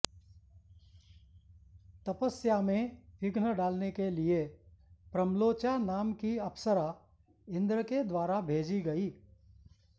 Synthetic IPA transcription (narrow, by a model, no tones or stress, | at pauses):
t̪ɐpəsjamẽʋɪɡnəɖaːlnekeliepɾəmloːt͡ʃanaːmkiɐpʰsəɾa | ɪ̃nd̪ɾəked̪waːɾabʱeːd͡ʒiɡɐiː